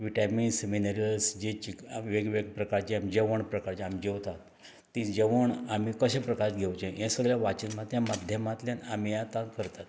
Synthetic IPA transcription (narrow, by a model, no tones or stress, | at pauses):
ʋiʈaminseminaɾiəlsd͡ʑet͡ɕikʋeɡʋeɡpɾəkaɾt͡ɕiamid͡ʑeʋəɳpɾəkaɾt͡ɕiamid͡ʑewt̪at̪ː | id͡ʑeʋəɳamikəɕẽpɾəkaɾt̪ɡʱewt͡ɕẽjẽsəɡɾjaʋat͡ɕinmat̪jãmad̪ʱjəmat̪ljanamijat̪akəɾt̪at̪